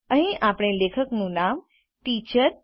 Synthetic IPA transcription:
ə̃ɦĩʔapɽ̃eleːkʰəknũnaːm | ʈiːt͡ɕəɾ

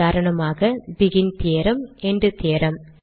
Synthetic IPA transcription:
aːɾɐɳɐmaːɣɐbɪɣɪnt̪eːɾɐmɛnɖrɯt̪eːɾɐm

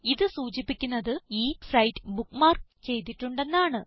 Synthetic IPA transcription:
iðɨsuːt͡ɕipːikʲːunːɐðɨiːfrɐjʈːɨbukmaːrt͡ɕe̞jt̪̬ːiʈːuɳɖe̞nːaːɳɨ

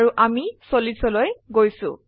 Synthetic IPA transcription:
ɹuʔamisolisɔlojɡojsʊ̰̃

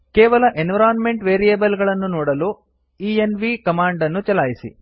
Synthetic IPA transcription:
kɛːʋɐlɐʔenʋɐɾaːnme̞ɳʈʋeːɾijeːbɐlɡɐɭɐnːunɔːɽɐlu | iːenʋikɐmaːɳɖɐnːut͡ʃɐlaːjisḭ

